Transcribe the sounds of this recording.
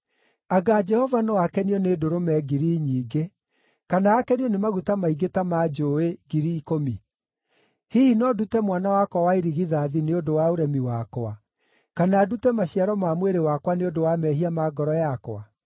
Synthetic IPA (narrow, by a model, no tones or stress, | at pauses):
aɡaːd͡ʒɛhɔvanɔakɛniɔnedoɾomɛɡiɾiɲiːɡe | kanaːkɛniɔnemaɣutamaiɡetamad͡ʒoeɡiɾiːkomi | hihinɔdutɛmwanawakwawaiɾiɣiðaðineodowaoɾɛmiwakwa | kanaːdutɛmaɕiaɾɔmamweɾewakwaneodowamɛhiamaɡɔɾɔjakwa